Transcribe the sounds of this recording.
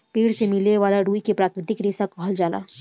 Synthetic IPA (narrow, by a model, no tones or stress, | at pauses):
peːɽsemɪleʋaːlaɾuːikepɾaːkɾɪt̪ɪkɾɪsakɔɦld͡ʒaːla̰ː